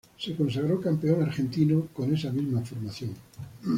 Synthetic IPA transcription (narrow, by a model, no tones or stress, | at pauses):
sekons̬aɣ̞ɾokampeonaɾxẽ̞nt̪inoko̞nesamizmafoɾmaθjoŋ